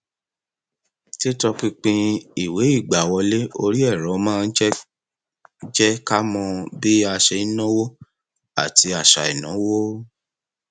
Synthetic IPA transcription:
te˦tɔ˧k͡pĩ˧k͡pĩ˧i˨we˨˦i˦˨ɡ͡ba˨wɔ˧le˦o˧ɾi˦ɛ˦˨ɾɔ̃˨˦˧mãː˦˧˦d͡ʒɛ˦ | d͡ʒɛ˦ka˦mɔ̃˧bi˦a˧ʃe˧˦nɔ̃˦wo˦ | a̰˦˨ti˧a˨ʃa̰˨ɛ̰˨nã˨˦wo˦

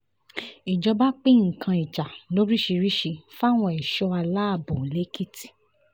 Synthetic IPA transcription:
i˨d͡ʒɔ˧ba˦k͡pĩ˦ŋ̩˨kʰã˧i˨t͡ʃa˨lo˦ɾi˦ʃi˧ɾi˦ʃi˧fa˦˨w̃ɔ̃˧ɛ˨ʃɔ˧a˧la˦a˦˨bo˨le˨˦ki˦ti̥˨

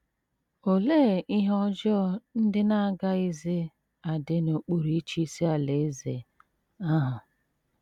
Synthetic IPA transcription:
o˨le˦˨i˦ɦɔ˦d͡ʒɔ˦n̩˦dɪ˦na˦˨ɡa˦ɪ˦ze˦ | a˨dɪ˨no˨k͡pu˨ɾi˨˦t͡ʃi˦si˦a˨le˨˦zḛ˨ | a˦ɦʊ˨

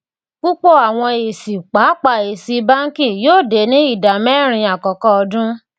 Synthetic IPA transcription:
k͡pu˦k͡po˦˨a˨w̃ɔ̃˧e˨si˨k͡pa˨˦k͡pa˧˨e˨si˨˦ba˦ŋ̩˦ki˦˨joː˦˨de˨˦nĩ˦i˦˨da˨mɛ˦˨ɾ̃ĩ˧a˨kɔ˨kɔ˦ɔ˧dũ˦

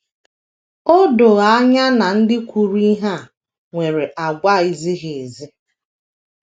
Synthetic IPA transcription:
o˦do˨ɣa˨˦a˦ɲa˦na˨n̩˦dɪ˦kʷu˨ɾi˦ɦa˦ | ŋʷe˨ɾe˨ʔa˨ɡʷa˦˨i˨zi˦ɦe˨e˨zi˦

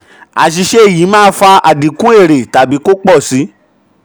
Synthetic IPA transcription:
a̰˨ʃ̬i˧ʃe˦˨ji˨˦mãː˦fa˧a˨dĩ˨kũ˦e˦˨ɾe˨ta˨bi˨˦ko˦k͡pɔ˦˨si˨˦

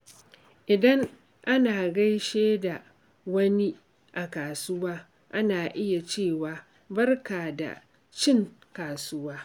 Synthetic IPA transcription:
ʔɪ˨dɐ˦ŋ | ʔa˦naː˨ɡa˦jʃeː˦da˨ | wɐ˦ni˦ | ʔa˨kaː˨sʊ˦waː˦ | ʔa˦naː˨ʔɪ˦ja˨t͡ʃeː˦˨waː˨ | bɐ˦rkaː˨da̰˨ | t͡ʃɪ˦ŋ | kaː˨sʊ˦waː˦

